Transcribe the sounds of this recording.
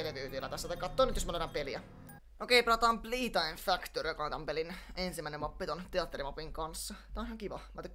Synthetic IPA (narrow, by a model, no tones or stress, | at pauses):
eleʋyːt̪ielːæt̪æsːæt̪ɑikːɑt̪ːoːnyt̪josmɑnot̪ɑmpeliæ | ʔokeiplɑt̪ɑːmpliːt̪ɑjɱfækt̪orijokɑnet̪ɑmpelinensimæinemːɑpːit̪ont̪eɑt̪ːeɾimɑpiŋkɑnsːɑt̪æonsiɑŋkiʋɑ̰mɑt̪ykː